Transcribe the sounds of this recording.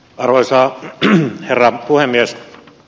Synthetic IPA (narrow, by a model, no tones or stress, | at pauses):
ɑrʋoisɑː | herːɑpuhemːies